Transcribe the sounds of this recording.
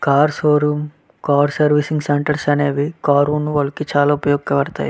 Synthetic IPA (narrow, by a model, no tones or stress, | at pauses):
kaːɾsoːɾuːm | kaːɾsɐɾʋisiŋɡseɳʈɐɾsɐneːʋikaːɾuːnuʋɐlːɐkit͡ʃaːlaːupɐjɔːɡkɐʋɐɾt̪a̰ːj